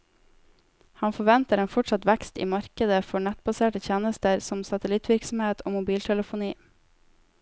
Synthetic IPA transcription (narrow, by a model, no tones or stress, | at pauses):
hɑnfɔʋɛnt̪əɾeːnfɔʈsɑt̪ʋækst̪ḭːmɑɾkəd̪əfɔɳæt̪̚bɑseːʈəc͡çeːnəst̪əɾsɔmsɑt̪əlɪt̪ʰʋɪɾksm̩heːt̪ʰoːmʊbiːlt̪ʰɛləfʊniː